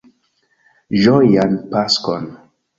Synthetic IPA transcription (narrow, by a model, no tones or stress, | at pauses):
d͡ʒɔjanpaskɔn